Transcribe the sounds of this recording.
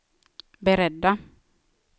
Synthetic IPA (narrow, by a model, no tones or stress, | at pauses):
bɛɾɛdːa